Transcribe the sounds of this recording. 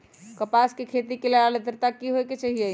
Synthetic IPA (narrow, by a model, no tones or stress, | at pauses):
kəpaskekʰet̪ikeləɾaled̪əɾt̪akiɦojket͡ʃaɦijə